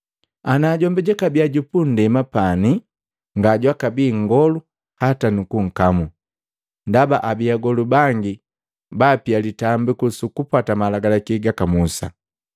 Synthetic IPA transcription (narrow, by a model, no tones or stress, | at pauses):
anaːɟɔmbɛɟɛkabiaɟupun̩dɛmapani | ŋɡaɟwakabiːŋ̩ɡɔlu | hatanukuŋ̩kamu | ndabaʔabiaɡɔlubaŋɡi | bapialitambikusukupatamalaɡalakiɡakamusa̰